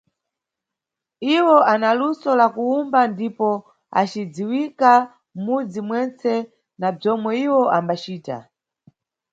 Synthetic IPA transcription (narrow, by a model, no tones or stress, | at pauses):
iwɔʔanalusɔlakuumbandipɔ | a̰t͡ʃid͡ziwika | mud͡zimwɛnt͡sɛ | nab͡ʐɔmwɛiwɔʔambat͡ʃiːta̰